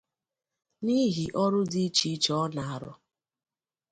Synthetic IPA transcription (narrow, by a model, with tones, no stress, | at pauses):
ni˦ɦi˨ʔɔ˦ɾʊ˦di˦t͡ʃi˦t͡ʃɔ˦ɔ˦na˨a˨ɾɔ̰˦